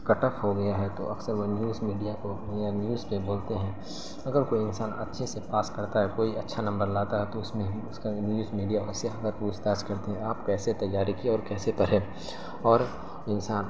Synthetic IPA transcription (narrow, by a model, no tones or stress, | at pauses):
kɐʈəpɦoɡɐjaɦɛt̪o̰ʔɐksəɾʋonjuːzmiːɖijako | ənjuːzpẽboːlt̪eɦɛ̃ː | ɐɡəɾkoːiɪnsaːnɐtːʃʰesepaːskɐɾt̪aɦɛkoːiɐtːʃʰanɐ̃mbəɾlaːt̪aɦɛt̪oʊsmẽʊskanjuːzmiːɖijaɔɾseɐɡəɾpuːt͡ʃʰd̪aːʃkɐɾt̪eɦɛ̃aːpkɛːset̪ɐjːaːɾikiɔːɾkɛːsepɐɾẽ | ɔːɾ | ɪnsaːn